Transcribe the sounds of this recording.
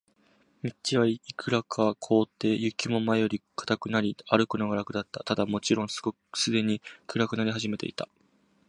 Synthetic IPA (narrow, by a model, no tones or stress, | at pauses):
mʲitt͡ɕiβaiikʰɯ̟ɾakʰakʰo̞ːt̪ːe̞ːjɯ̟kʲimo̞maejo̞ɾʲikʰḁt̪akɯ̟naɾʲiaɾɯ̟kɯ̟noɡaɾakɯ̟d̪at̪ːat̪ad̪amo̞t͡ɕiɾõ̞ɰ̃sɨ̥ɡokɯ̥sɨd̪e̞ɲ̟ikɯ̟ɾakɯ̟naɾʲiɦaʑime̞t̪ḛit̪a